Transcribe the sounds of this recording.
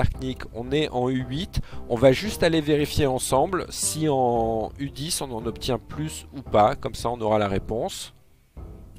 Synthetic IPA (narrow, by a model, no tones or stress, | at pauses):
ɛʁknikɔ̰̃nɛʔɑ̃yɥit̪ɔ̃vaʒyst̪aleveʁifjeɑ̃sɑ̃blsiɑ̃yd̪isɔ̃nɑ̃nɔpt̪jɛ̃plysupakɔmsaɔ̃nɔʁalaʁepɔ̃s